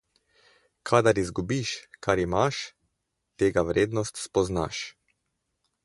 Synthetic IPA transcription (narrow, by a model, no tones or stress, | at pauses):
kʰad̪aɾizɡubiʃkaɾimaʃ | t̪eːɡaʋɾeːd̪nɔst̪spɔzna̰ʃ